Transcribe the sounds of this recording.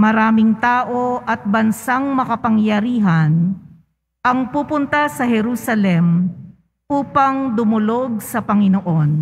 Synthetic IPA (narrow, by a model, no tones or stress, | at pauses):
mɐɾaːmɪŋt̪aːʔo̞ʔɐt̪̚bɐnsaŋmɐkɐpɐŋjɐɾiːɦɐn | ʔɐŋpupʊnt̪ɐsɐɦɛɾuːsɐlɛm | ʔuːpɐŋd̪ʊmʊlo̞ɡ̚sɐpɐŋɪnoʔon